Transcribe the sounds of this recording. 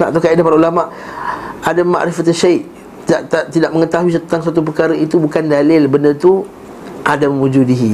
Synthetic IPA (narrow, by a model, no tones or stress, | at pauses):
na̰ʔt̪ukaidapaɾaulamaʔ | ʔadama̰ʔɾifat̪aʃajʔ | t̪iaʔt̪at̪idaʔməŋət̪aɦuis̬ənt̪aŋs̬at̪̬up̬ərkaɾəit̪ubukandalɪlbəndət̪u | ʔadaməmud͡ʒudiɦi